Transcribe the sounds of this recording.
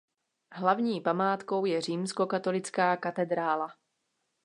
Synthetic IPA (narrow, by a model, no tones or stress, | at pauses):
ɦlavɲiːpamaːt̪ko̞wjɛr̝iːmsko̞kat̪o̞lɪt͡skaːkat̪ɛd̪ɾaːla